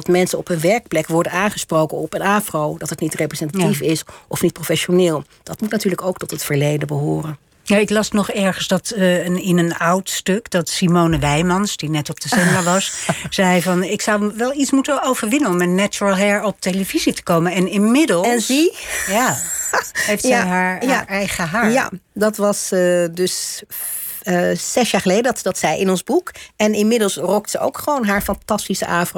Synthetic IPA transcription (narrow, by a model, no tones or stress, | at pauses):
dɑtmɛnsənɔpənʋɛɹk̚plɛkʋɔɹdənaːnχəsprowkənɔpənaːfrowdɑtətnitrejprezɛntaifɪsʔɔfnit̚profɛʃonɪːlˠ | d̥ɑtmutnatyːɹləkowktɔtətfəɹlejdənbəɦʊːrən | jaɪklɑsnɔχɛɹχənsdɑtɪnənɑwtstøkdɑtsimownəʋɛjmɑnsd̥inɛtɔb̚d̥əsɛnɡaʋɑssɛjjvɑnɪksɑwʋɛlˠitsmutəowvəɹʋɪnənɔmɛnːat͡ʃuɹəlˠɦɛɹɔp̚teləvizitə̥kowmənɛnɪnmɪdəlˠnszija | ɦejftsjɦaːɹaɹɛjχəɦaːja̰dɑtʋɑsdɵs | z̥ɛsjaːɹχəlejdədɑtsɛjɪnɔnzbukɛnɪnmɪdəlˠsrɔk̚tsəo̰wkχəʋownɦaːɹfɑntɑstisəʔaːfr